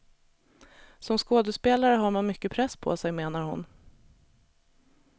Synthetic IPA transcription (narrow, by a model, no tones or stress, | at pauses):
sɔmskoːd̪əspeːlaɾəɦaɾmanmʏkːəpʰɾɛsːpʰɔ̰sɛjmeːnaɾhʊ̰n